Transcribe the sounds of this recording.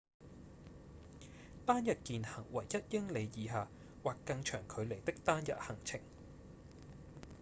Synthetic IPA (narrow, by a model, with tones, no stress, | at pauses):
t̪aː˥njɐ˨t̚kiː˨nhɐ˨˩ŋwɐ˨˩jjɐ˥t̚jɪ˥ŋle˨˧jjiː˨˧ɦaː˨ | waː˨˩kːɐ˧ŋt͡ʃʰœː˨˩ŋkʰɵ˨˧ɥle˨˩jt̪ɪ˥k̚t̪aː˥njɐ̰˨t̚hɐ˨˩ŋt͡sʰɪ̰˨˩ŋ